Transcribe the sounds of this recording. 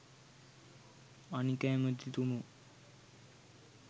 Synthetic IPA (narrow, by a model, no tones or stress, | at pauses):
anikaməd̪ʱit̪umu